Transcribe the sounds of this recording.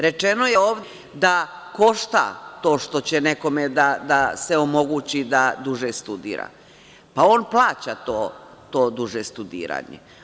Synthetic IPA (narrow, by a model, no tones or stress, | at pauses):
ɾe̞t͡ʃe̞no̞jeoːʋd̪ | d̪a | ko̞ʃt̪a̰t̪o̞ːʃt̪o̞t͡ɕeneko̞med̪ad̪aseo̞mo̞ɡuːt͡ɕid̪ad̪uʒest̪ud̪ḭːɾa̰ | pao̞ːnplˠaːt͡ɕat̪oː | t̪oːd̪uʒest̪ud̪ḭːɾa̰ːɲḛ